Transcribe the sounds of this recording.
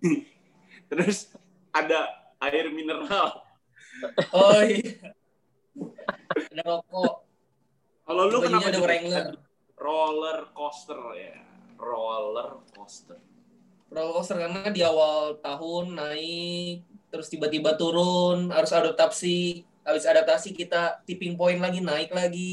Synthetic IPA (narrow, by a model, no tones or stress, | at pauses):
t̪əɾʊs | ada | aɪrminəɾal | ɔ | adamakɔʔ | kalolubaaɲaadapɾɛŋlər | rolərkɔst̪ərja̰ | rolərkɔ̰st̪ər | rolərkɔst̪ərkarnaadiawalt̪aɦʊnːaɪk̚t̪əɾʊst̪ibat̪ibat̪uɾʊnɦaɾʊsaɾʊt̪apsi | abɪsadat̪asikit̪at̪ipɪŋp̬oɪnlaɡinaɪklaɡi